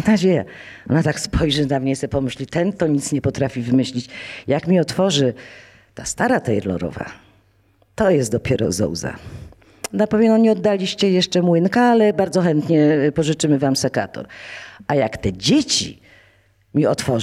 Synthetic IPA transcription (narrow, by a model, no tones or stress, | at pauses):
nad͡ʑeja̰ | ɔnat̪akspʰɔjʐɛnamɲɛsɛpɔmɘɕlʲit̪ɛnt̪ɔɲit̪sɲɛpɔt̪ɾafʲivɘmɘɕlʲit͡ɕjakmʲiɔt̪fɔʐɘ | t̪ast̪aɾat̪ɛjɛɾlɔ̰ɾɔ̰va̰ | t̪ɔjɛst̪̚d̪ɔpʲjɛɾɔ̰zɔ̰wza̰ | napɔvʲjɛmnɔɲɛɔd̪ːalʲiɕt͡ɕɛjɛʂt͡ʂɛmwɘnkaalɛbaɾdzɔxɛnt̪ɲɛpɔʐɨt͡ʂɘmɘvamsɛka̰t̪ɔ̰ɾʔajakt̪ɛd͡ʑet͡ɕḭ | mʲiɔt̪fɔ